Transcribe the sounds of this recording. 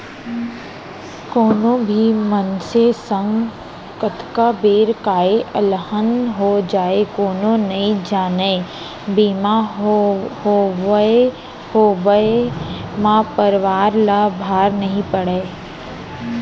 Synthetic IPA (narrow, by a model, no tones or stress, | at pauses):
koːnõbʱimənsesə̃ŋɡ | kət̪kabeːɾkaːeʔəlhənɦod͡ʒaːekoːnõnɐĩd͡ʒaːneː | biːmaɦhoʋe | hoːʋəemãːpəɾʋaːɾlabʱaːɾnɐɦĩpəɽeː